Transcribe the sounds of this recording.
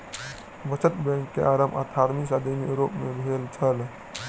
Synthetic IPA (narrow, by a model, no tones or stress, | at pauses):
bət͡ʃət̪bɛ̃ŋkːeʔaɾəma̰t̪ʰaɾmisad̪emiɾopmebʱelt͡ʃʰəl